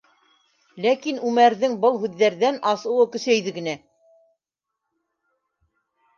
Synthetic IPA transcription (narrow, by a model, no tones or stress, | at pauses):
lækinʉmæɾðɘŋbɤlˠɦʉðːæɾðænɑsɤ̆wɤ̆kɵ̆sæjðɘ̆ɡɘ̆næ